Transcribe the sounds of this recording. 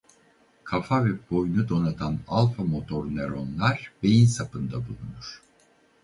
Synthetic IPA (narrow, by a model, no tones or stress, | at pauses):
kʰafavɛb̥o̞jnud̪o̞nat̪ʰanalˠfamo̞t̪ʰo̞ɾneɾonlˠaɾbejinsapɯnd̪abulˠunuɾ̥